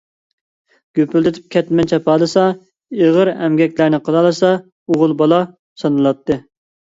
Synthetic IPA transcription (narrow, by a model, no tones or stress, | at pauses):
ɡ̥ʲøpyld̪ɪt̪ʰy̥p̚kʲʰɛt̪mɛnt͡ʃʰɛpʰɑːlˠɨsɑ | eʁəɾɛmɡʲɛkʲlæɾnɪqʰəlˠɑlˠɨsɑ | oʁʊlˠbɑlˠɑ | sɑnɨlˠɑt̪ʰːɨ